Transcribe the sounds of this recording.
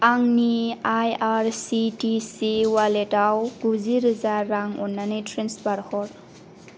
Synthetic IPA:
aŋniajaɾsitisiwaletawɡuziɾɯzaɾːaŋɔ̰nːanɯtʰɾensbaɾhɔɾ

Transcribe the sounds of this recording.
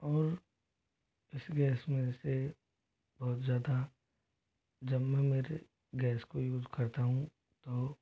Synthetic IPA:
ɔːɾ | ɪsɡɛːsmẽse | b̥ɔːt̪zjaːd̪a | d͡ʒɐbmɛ̃meːɾe | ɡɛːskojuːzkɐɾt̪aɦũ | t̪oː

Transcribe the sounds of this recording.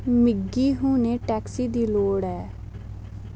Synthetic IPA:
mɪɡːiːɦũːneːʈɛːksiːd̪iːloːɽɛː

